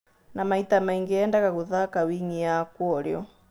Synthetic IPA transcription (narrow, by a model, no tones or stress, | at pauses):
namaitamaiŋɡiɛːndaɣaɣuðakawiɲiakwɔɾjɔ̰